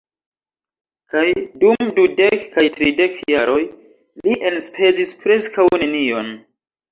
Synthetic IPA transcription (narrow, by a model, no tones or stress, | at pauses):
kajdumdude̞kːajtɾide̞kjaɾo̞j | liʔenspʰe̞zispɾe̞skawne̞nio̞n